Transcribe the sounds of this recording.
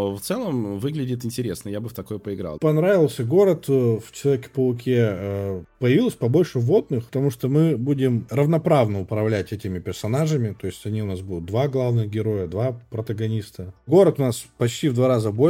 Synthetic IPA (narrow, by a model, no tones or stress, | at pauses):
ft̪sɛlˠəmvɨɡlʲɪdʲɪt̪ɪnʲtʲɪɾʲesnəjabɨft̪ɐkojpəɪɡɾa̰lˠpɐnɾavʲɪlˠsʲəɡo̞ɾət̪ft͡ɕɪlˠɐvʲekʲɪ̥pəʊkʲe | pəjɪvʲilˠəsʲpɐbo̞lʲʂɨvo̞d̪̚nɨxpət̪ɐmuʂt̪omɨbudʲɪmrəvnɐpɾavnəʊpɾɐvlʲætʲɛtʲɪmʲɪpʲɪrsɐnaʐɨmʲɪt̪o̞ɪsʲtʲɐnʲiʊnasbud̪ʊt̪̚d̪vaɡlˠavnɨɣɡʲɪɾo̞jəd̪vapɾət̪əɡɐnʲist̪əɡo̞ɾət̪ʊnaspɐt͡ɕtʲivd̪vaɾazəbo̞